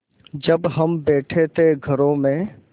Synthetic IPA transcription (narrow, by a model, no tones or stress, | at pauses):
d͡ʒɐbɦɐmbɛːʈʰet̪eɡʱɐɾõmẽ